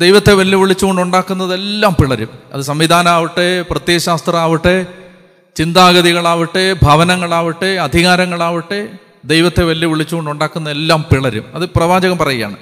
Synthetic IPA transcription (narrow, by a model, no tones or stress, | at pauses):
d̪ejʋɐt̪ːe̞ʋɐljɐʋiɭit͡ɕːuɣo̞ɳɖuɳɖaːkːunːɐðe̞lːaːmpiɭɐɾumɐ̰ðɨsɐmʋid̪ʱaːnɐaːʋiʈːeprɐt̪jeːɕaːst̪rɐaːʋiʈːe | t͡ɕind̪aːɣɐðiɣɐɭaːʋiʈːebʱɐʋɐnɐŋːɐɭaːʋiʈːeɐd̪ʱiɣaːɾɐŋːɐɭaːʋiʈːe | d̪ejʋɐt̪ːe̞ʋɐljɐʋiɭit͡ɕːuɣoɳɖuɳɖaːkːunːɐðelːaːmpiɭɐɾṵmɐðɨprɐʋaːd͡ʑɐɣɐmpɐrɐjija̰ːɳɨ